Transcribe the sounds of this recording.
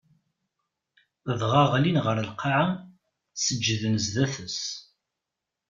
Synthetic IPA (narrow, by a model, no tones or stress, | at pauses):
ðʁɑʁlinʁəɾəlqɑʕa | səd͡ʒːðənəzðæθəs